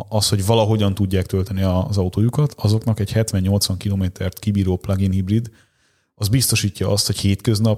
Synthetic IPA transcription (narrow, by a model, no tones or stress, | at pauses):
ɒsho̞ɟvɒlɒɦo̞ɟɒnt̪uɟːaːk̚t̪ølt̪ɛniɒzɒut̪oːjukɒt̪ɒzo̞kn̪ɒkɛchɛt̪ʋɛɲːo̞lt̪sʋɒŋkiloːmeːt̪ʰɛrt̪kibiːɾoːplɒɡinhibrid̪ | ɒzbist̪o̞ʃiːcːɒɒst̪ho̞cheːt̪kø̞znɒp